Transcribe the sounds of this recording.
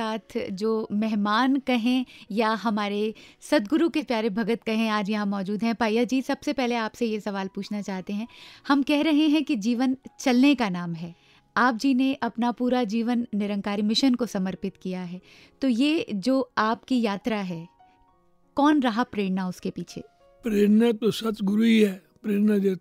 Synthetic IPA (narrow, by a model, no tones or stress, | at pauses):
aːt̪ʰd͡ʒoːmɛɦmaːnkɐɦẽjaɦɐmaːɾesɐd̪ɡʊɾukepjaːɾebʱɐɡət̪kɐɦẽaːd͡ʒjɐɦãmɔːd͡ʒuːd̪ɦɛ̃paːjad͡ʒiːsɐb̥sepɛɦleaːpsejesɐʋaːlpuːt͡ʃʰnat͡ʃaːɦt̪eɦɛ̃hɐmkɛɦɾɐɦeɦɛ̃kid͡ʒiːʋənt͡ʃɐlnekanaːmɦɛː | aːp̚d͡ʒiːneʔɐpnapuːɾad͡ʒiːʋənːɪɾə̃ŋkaːɾimɪʃənkosɐməɾpɪt̪kijaɦɛː | t̪ojed͡ʒoːaːp̚kijaːt̪ɾaɦɛː | kɔːnɾɐɦapɾeːɽnaʊskepiːt͡ʃʰḛː | pɾeːɽnat̪osɐt̪ɡʊɾuiɦɛː | pɾeːɽnad͡ʒe